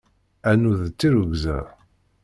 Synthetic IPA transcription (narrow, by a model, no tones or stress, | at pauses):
ænuðt͡sːiɾuɡzə̰ð